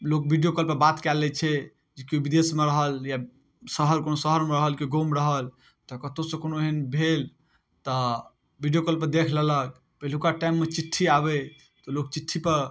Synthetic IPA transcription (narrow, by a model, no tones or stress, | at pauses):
lok̚bʱiɖijokəlpəbat̪kɛlːɛt͡ʃʰɛ | d͡ʒekiubid̪esmeɾəɦəlja | səɦəɾkonosəɦəɾmeɾəɦəlkeɡomɾəɦəl | t̪ɔkət̪osə̃konoeɦənbʱel | t̪ɔ | bʱiɖijokəlpəd̪ekʰlələk̚ | pəɦilkaʈajmːet͡ʃiʈʰːiaβɛ | t̪ɔlok̚t͡ʃiʈʰːipəɾ